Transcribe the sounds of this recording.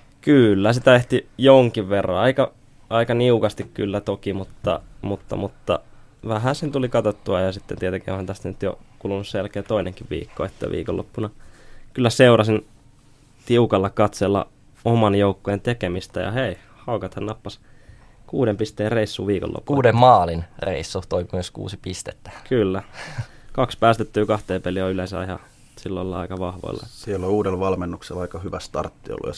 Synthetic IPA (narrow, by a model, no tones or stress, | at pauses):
kylːæsit̪æeht̪ijoŋkiʋʋerːɑ̰nɑikɑ | ɑikɑniukɑst̪ikky̰lːæt̪okimut̪ːɑ̰mut̪ːɑ̰mut̪ːɑ̰ʋæhæsent̪ulikɑt̪ot̪ːuɑjɑsit̪ːḛnt̪iet̪eŋkiohænt̪æst̪ænyt̪jo̰kuːlunusselkeːt̪oineŋkiʋʋḭːkːo̰et̪ːæ̰ʋḭːko̰lːo̰pːunɑkylːæseuɾɑsin | t̪iukɑlːɑkɑt̪selːɑ̰ | omɑnjoukːojent̪ekemist̪æjɑ̰hei | hɑukɑt̪hɑnnɑpːɑskuːdempist̪eːreisːuːʋiːko̰lːo̰pːkuuːdemmɑːlinrḛisːut̪oimmøskṵːsipist̪et̪ːæ̥kʰylːækɑkspæːst̪et̪ːyːkɑht̪eːpelioylensɑ̰ihɑ̰ | silːo̰ilːɑɑ̰ikɑʋɑhʋo̰ilːɑ̰tːsilːouːdelʋɑlmenːukselɑikɑhyʋæst̪ɑ̰rt̪ːio̰lːṵjɑ̰